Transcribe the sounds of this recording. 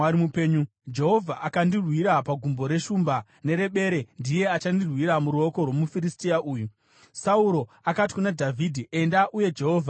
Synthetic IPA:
aɾimupeːɲu | d͡ʒe̞ɦo̞vʱaʔakandirwiɾapaɡʱumbo̞ɾe̞ʃuːmba | ne̞ɾe̞ɓe̞ɾe̞ndije̞at͡ʃandirwiɾamuɾuo̞ko̞rwo̞mufiristiaʔuːju | sauɾo̞ | akati̥kunadʱavʱidʱie̞ndaʔuje̞d͡ʒe̞ɦo̞ːvʱa

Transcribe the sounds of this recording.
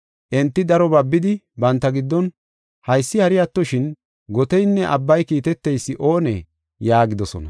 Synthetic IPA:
ʔɛnt̪ːɪd̪ɐɾɔbɐbːɪd̪ɪ | bɐnt̪ːɐɡɪd̪ːɔn | hɐjsːɪhɐɾɪjɐt̪ːɔʃɪn | ɡɔt̪ɛjnːɛʔɐbːɐjkiːt̪ɛt̪ːɛjsːɪʔo̞ːnɛ̰ | jaːɡɪd̪ɔsɔ̰nɐ̰

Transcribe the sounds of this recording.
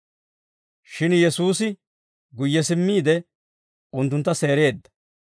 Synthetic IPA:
ʃɪnjɛsuːsɪ | ɡʊjːɛsɪmːiːd̪ɛ | ʊnt̪ːʊnt̪ːɐse̞ːɾe̞ːd̪ːɐ̥

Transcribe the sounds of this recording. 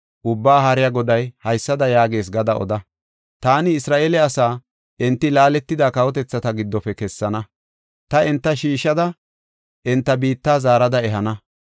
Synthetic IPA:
ʔʊbːaːɦɐɾɪjɐɡɔd̪ɐjhɐjsːɐd̪ɐjaːɡeːs̬ɡɐd̪ɐʔɔ̰d̪ɐ | t̪aːnɪːsɾaːʔeːlɛɐsaː | ʔɛnt̪ːɪlaːlɛt̪ːɪd̪aːkɐwɔt̪ɛt͡sːɐt̪ɐɡɪd̪ːɔpɛkɛsːɐnɐ | t̪ɐɛnt̪ːɐʃiːʃːɐd̪ɐ | ʔɛnt̪ːɐbiːt̪ːaːzaːɾɐd̪ɐɛɦɐnɐ

